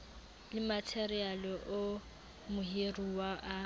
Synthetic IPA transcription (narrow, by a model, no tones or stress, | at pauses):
lɪmatʰɛrialɪʔʊ | mʊɦeruwaʔa